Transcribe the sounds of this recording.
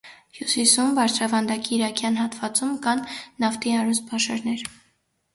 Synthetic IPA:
hjusisumbɑɾt͡sʰɾɑvɑnd̪ɑkiːɾɑkʰjɑnɦɑt̪vɑt͡sumkɑnːɑft̪iɑɾuspʰɑʃɑɾnɛɾ

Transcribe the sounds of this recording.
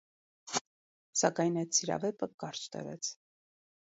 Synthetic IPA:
sɑkɑjnɑjt̪sʰiɾɑ̰vɛpəkɑɾt͡ʃt̪ə̰vɛ̰t͡sʰ

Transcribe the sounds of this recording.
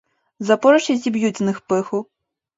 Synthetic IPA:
zɐpɔɾɐʃʲisʲibjut͡sʲnɨxpɪxʊ

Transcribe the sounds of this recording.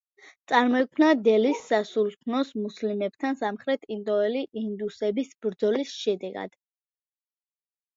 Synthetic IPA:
t̪sʼaɾmɔɛkʰmnad̪ɛlisːasult̪ʰnɔsmuslimɛb̥t̪ʰansamχɾɛt̪ʰind̪ʼɔɛliʔind̪usɛbisbɾd̪zɔlisʃɛd̪ɛɡa̰d̪̥

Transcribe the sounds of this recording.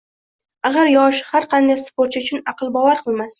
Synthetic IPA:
aɡaɾjɒʃhaɾqʰɑnd̪ajspoɾt̪t͡ʃʰɪʊt͡ʃʰʊnɑqɨlˠbɒvaɾqʰɨlˠmas

